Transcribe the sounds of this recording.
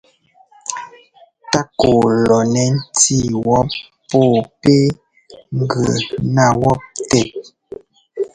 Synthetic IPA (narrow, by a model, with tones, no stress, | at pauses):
ta˦ko˨lɔ˨nɛ˨˦n̩˦ti˦˨wɔ˦p | pɔː˦˨pe˦ | ŋ˨ɡə˨na˦˨wɔ˦p̚tɛ˦˨t̚